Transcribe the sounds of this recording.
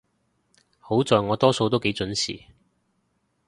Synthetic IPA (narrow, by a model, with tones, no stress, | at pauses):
ho˨˥wt͡sɔː˨jŋɔː˨˧t̪ɔː˥so˧wt̪̬wke˨˥jt͡sɵ˨˥nsḭː˨˩